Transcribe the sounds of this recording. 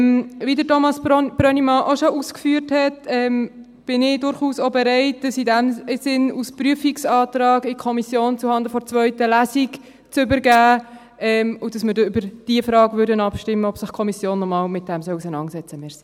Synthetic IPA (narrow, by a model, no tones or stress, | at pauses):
mvidətʰomɑsb̥ɾœnimɑʔoʃoʔuskfyəɾthɛtɛm | b̥ɪnɪdʊɾχuːsobɛɾɛɪt̚d̥ɑsidɛmsɪnuspryəfiksɑːtɾɑːɡɪkʰɔmisjoːnt͡suhɑnd̪əfɔɾt͡svœʏtəlæsiɡ | t͡sʏbəɾɡæː | ɛmʊd̥ɑsmɪɾdybəɾd̥iəfɾɑːɡvʏɾdənɑpʃtɪmːəɔpsɪχkʰɔmisjoːnːɔmɑːlmɪt̚d̥ɛmsœlusənɑnsɛt͡səmɪːɾs